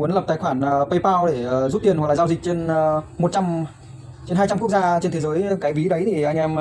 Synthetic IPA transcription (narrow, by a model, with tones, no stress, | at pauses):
u˨˦nlə˨˩p̚t̪aː˧˩jxwaː˧˩n˩pə˧jpaː˧wɗe˧˩zu˦˥t̪̚i˨˩ənwa˨˩klaː˨zaː˧zi˨˩k̚t͡ɕe˧nmo˨˩t̚t͡ɕa˧m | t͡ɕe˧nɦaː˧jt͡ɕa˧mku˦˥ək̚zaː˧t͡ɕe˧nt̪ʰe˨˦zəː˨˦jkaː˨˦jvi˨˦ɗə˨˦jt̪ʰi˨˩ʔa˧ŋ̟ʔɛ˧m